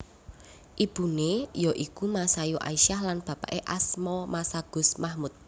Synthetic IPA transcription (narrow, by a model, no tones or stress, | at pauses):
ʔib̥ṳnejɔʔikumasajuʔa̰iʃahlanb̥a̤pa̰ʔeʔasmɔmasaɡ̥ʊ̤smahmut̪̚